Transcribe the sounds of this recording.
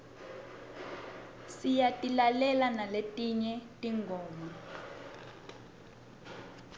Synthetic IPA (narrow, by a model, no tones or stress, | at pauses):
sijatʼilalɛlanaletʼiɲɛtʼiŋɡʱɔːma